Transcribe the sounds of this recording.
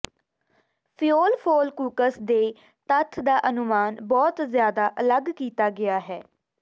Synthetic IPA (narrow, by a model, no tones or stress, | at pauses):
pʰijoːlpʰoːlkuːkəsd̪eː | t̪ət̪ʰd̪aːʔənʊmaːnbɔːt̪zjaːd̪aːʔələɡkiːt̪aːɡɪaːɦɛː